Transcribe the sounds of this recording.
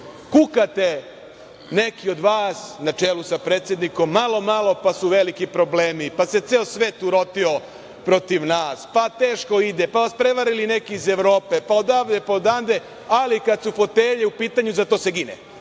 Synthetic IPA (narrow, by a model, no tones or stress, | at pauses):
kukat̪e | ne̞kio̞d̪ʋaːsnat͡ʃeːlusapɾeːt̪sje̞d̪niko̞mːalo̞malˠo̞pasuʋe̞likipɾo̞bleːmipase̞t̪seosʋe̞ːt̪uɾo̞t̪io̞ | pɾo̞t̪iʋnaːspat̪e̞ːʃko̞id̪epaʋaspɾe̞ʋaɾiline̞kiːzeʋɾo̞ːpe̞paod̪aʋd̪epaod̪and̪e | alikad̪sufo̞t̪eʎeupiːt̪aɲuzat̪o̞ːse̞ɡinḛ